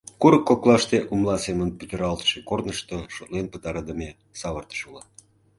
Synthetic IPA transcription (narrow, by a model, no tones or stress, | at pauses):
kuɾəkːoklˠɑʃt̪eʔumlˠɑsemənpyt̪əɾɑlt̪ə̥ʃekornəʃt̪oʃot̪lenpət̪ɑɾɑd̪əme | sɑβərt̪ə̥ʃulɑ